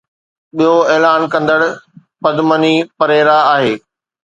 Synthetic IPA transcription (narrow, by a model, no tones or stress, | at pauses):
ɓijoeːlaːnkɐ̃nd̪əɽ | pɐd̪mənipɐɾeːɾaaːɦeː